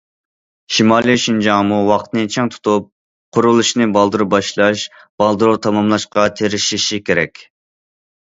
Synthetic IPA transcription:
ʃimɑlˠijʃind͡ʒɑŋmuwɑqt̪nɨt͡ʃʰɛŋt̪ʰu̥t̪ʰup̚ | qʰʊɾulˠuʃnɨbɑlˠd̪ɨɾubɑʃlˠɑʃ | b̥ɑlˠd̪ɨɾut̪ʰɑmɑmlˠɑʃqɑt̪ʰeɾɪʃiʃikʲʰeɾɛ̰kʲ

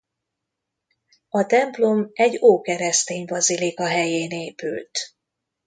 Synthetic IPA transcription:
ɒt̪ɛmplo̞mɛɟːoːkɛɾɛst̪eːɲvɒzilikɒɦɛjeːneːpylt̪

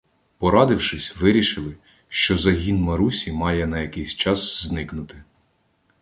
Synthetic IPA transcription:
pɔɾɑd̪ɪwʃɪsʲʋɪɾʲiʃɪlˠɪ | ʃt͡ʃɔzɐɦʲinmɐɾusʲimɑjɛnɐjɐkɪjsʲt͡ʃɑsznɪknʊt̪ɪ

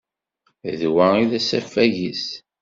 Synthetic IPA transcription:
ðwæiðæsæfːæʝis

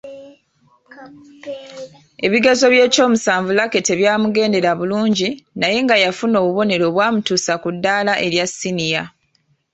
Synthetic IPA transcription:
e̞βiɡazo̞βje̞ːco̞ːmusaːɱvulake̞te̞βjaːmuɡe̞ːnde̞ɾaβuluːɲɟinaje̞ŋɡajafuno̞ːβuβo̞ne̞ɾo̞ːβwaːmutusakudːaːlaʔe̞ɾjasinija

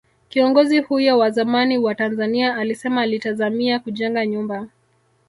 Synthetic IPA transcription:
kiɔŋɡɔzihujɔwazamaniwatanzaniaːlisɛmalitazamiakuʄɛŋɡaɲumba

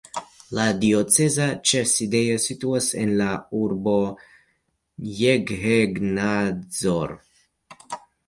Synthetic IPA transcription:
ladio̞t͡se̞zat͡ʃeside̞jo̞situase̞̰nlauɾbo̞ | jeɡheɡnazoɾ

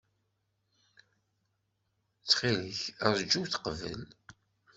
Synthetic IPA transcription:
t͡sːχiləçəɾˤd͡ʒːuwθqəvə̰l

